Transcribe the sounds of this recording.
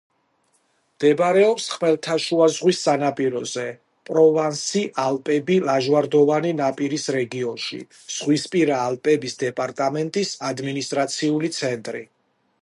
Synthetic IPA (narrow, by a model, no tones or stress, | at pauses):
md̪̥ɛbɾɛɔpsχmɛlˠt̪ʰaʃuazʁwisːanapʼiɾɔzɛ | pʼɾɔvansiʔalpʼɛbilaʒwaɾd̪ɔvaninapʼiɾisɾɛɡiɔnʃḭ | z̥ʁwispʼiɾaːlpʼɛbisd̪ɛpʼaɾt̪ʼamɛnt̪ʼisad̪minist̪ʼɾat̪sʰiulit̪sʰɛnt̪ʼɾḭ